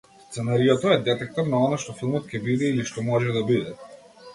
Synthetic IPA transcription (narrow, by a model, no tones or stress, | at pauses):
st̪sɛnaɾiɔt̪ɔɛd̪ɛt̪ɛk̚t̪ɔɾnaɔnaʃt̪ɔfilˠmɔt̪cʲɛbid̪ɛiliʃt̪ɔmɔʒɛd̪abid̪ɛ